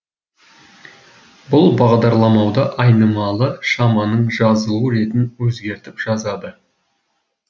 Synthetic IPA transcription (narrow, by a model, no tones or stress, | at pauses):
bʊlˠbɑʁd̪ɑɾlˠɑmɑwd̪ɑʔɑjnəmɑlˠəʃɑmɑnəɴʒɑzəlˠəɾe̞t̪ɪnwɵzɡʲe̞ɾt̪ɪpʒ̥ɑzɑd̪ə